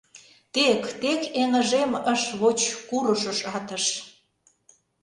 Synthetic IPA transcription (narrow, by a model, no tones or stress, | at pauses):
t̪ekt̪ekeŋə̆ʒeməʃβot͡ɕkuɾəʃə̆ʃɑt̪ə̆ʃ